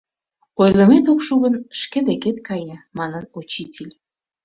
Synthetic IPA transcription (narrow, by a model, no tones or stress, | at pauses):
ojlə̆met̪okʃuɣənʃked̪eket̪kʰɑjəmɑnənot͡ɕitʲʰelʲ